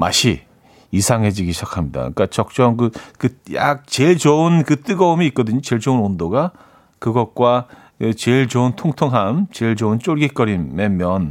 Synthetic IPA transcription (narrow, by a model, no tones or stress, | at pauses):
ma̰ɕʰi | isʰaŋɦe̞d͡ʑiɡiɕʰakʰamɲida̰k͈at͡ɕʌk̚t͡ɕ͈ʌmkɯkɯja̰k̚t͡ɕeɭt͡ɕounkɯt͈ɯɡʌumiːt̚k͈ʌdɯɲot͡ɕeɭd͡ʑounondoɡa | kɯɡʌt̚k͈wa | kɯt͡ɕeɭt͡ɕountʰoŋtʰoŋɦamt͡ɕeɭd͡ʑount͡ɕ͈oɭɡik͈ʌɾimemjʌn